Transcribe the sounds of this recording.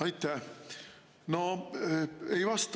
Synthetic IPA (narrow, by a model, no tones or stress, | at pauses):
ɑjt̪ːɛ | no | ejvɑst̪